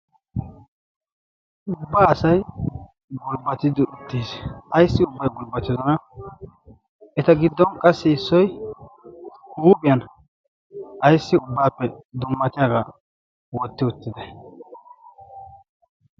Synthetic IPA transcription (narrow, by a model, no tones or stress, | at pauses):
ʔʊbːaːɐsɐj | ɡʊlbɐt̪ɪd̪ɪʔʊt̪ːiːsɐjsːɪʊbːɐjɡʊlbɐt̪ːɪzɔnɐ | ɛt̪ɐɡɪd̪ːɔnkʼɐsːɪɪsːɔj | huːbɪjɐn | ɐjsːɪʊbːaːpːɛd̪ʊmːɐt̪ɪjaɡa | wɔt̪ːɪʊt̪ːɪd̪ɛ